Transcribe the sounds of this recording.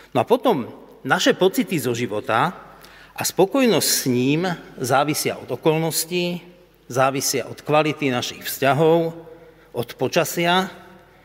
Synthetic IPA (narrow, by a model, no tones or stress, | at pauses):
nɔapɔt̪ɔm | naʃɛpɔt͡sit̪izɔʒiʋɔt̪a | ʔaspɔkɔjnɔscsɲiːmzaːʋisɪa̰ʔɔd̪ɔkɔlnɔsci | zaːʋisɪa̰ʔɔt̪kʋalit̪inaʃixfscaɦɔʊ | ʔɔt̪pɔt͡ʃasɪa